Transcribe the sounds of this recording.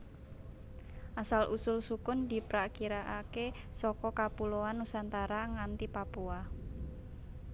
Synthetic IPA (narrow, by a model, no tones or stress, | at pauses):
ʔasalʔusʊlsukʊnd̪i̤pɾakiɾaʔake | sɔkɔkapuloanusant̪aɾaŋant̪ipapua